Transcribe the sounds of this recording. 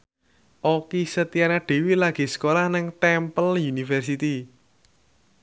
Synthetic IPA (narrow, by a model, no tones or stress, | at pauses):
ʔokisət̪ianaɖ̥e̤wilaɡ̥i̤sə̥kolahnɪŋt̪ɛmpəljunifɛrsit̪i